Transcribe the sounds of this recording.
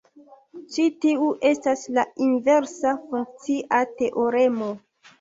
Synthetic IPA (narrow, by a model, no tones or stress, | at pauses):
t͡ʃitiuʔe̞staslainve̞ɾsafuŋk̚t͡siʔate̞ʔoɾe̞mo̞